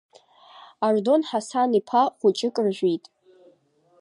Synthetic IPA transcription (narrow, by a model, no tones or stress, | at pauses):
ardo̞nħasanipʰaχʷʊt͡ʃʼɪkʼɨrʒᶣʷitʼ